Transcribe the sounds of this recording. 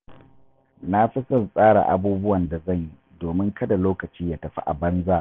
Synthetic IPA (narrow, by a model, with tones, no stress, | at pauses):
na˦ɸɪ˦sɐ˨nsʼaː˦ɽa̰˨ʔa̰˨buː˦bʊ˦wɐ˨nda˨zɐ˦˨ɲji˦doː˨mɪ˦ŋkɐ˦da˨loː˦kɐ˨t͡ʃiː˦jaː˦tɐ˨ɸḭ˦ʔa̰˨bɐ˦nzaː˦ʔ